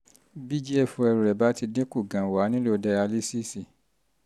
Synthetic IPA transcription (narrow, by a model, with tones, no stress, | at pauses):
bi˦d͡ʒi˦ɛ˦˨fũ˧ɛ˧ɾu˨ɾɛ˨ba˨˦ti˧dẽ˦ku˦˨ɡã˨wa˨˦nĩ˦lo˦˨da˧ja˧li˦si˦si˦˨